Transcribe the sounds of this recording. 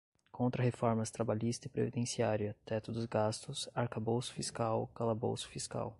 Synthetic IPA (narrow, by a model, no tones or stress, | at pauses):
kʰõnt̪ɾɐhefɔɾmɐst̪ɾabaʎist̪ɐɪpɾḛvid̪ẽsiaɾjɐt̪ɛt̪ʊd̪ʊzɡast̪ʊsaɾkabowsʊ̥fiskawkalɐbo̰wsʊ̥fiska̰w